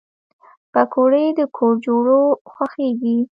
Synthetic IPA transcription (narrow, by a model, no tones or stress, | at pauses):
pakʰoɽəjd̪əkʰoɾd͡ʒoɽoxwaxeɡi